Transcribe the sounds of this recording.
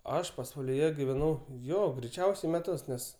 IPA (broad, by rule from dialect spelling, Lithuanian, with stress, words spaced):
ˈɐʃ pɐsʋɐlʲɪˈjɛ ɡʲɪʋʲɛˈnɐʊ ˈjoː ɡrʲɛɪˈt͡ʃʲɛʊsʲɛɪ mʲɛˈtʊs ˈnʲɛs